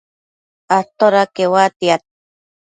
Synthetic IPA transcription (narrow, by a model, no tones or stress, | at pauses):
at̪oɾakewat̪iat̪̚